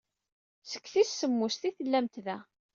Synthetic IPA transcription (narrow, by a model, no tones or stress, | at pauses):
sə̥kːθisːəmːʊst̪iθəlːæmt̪ðæ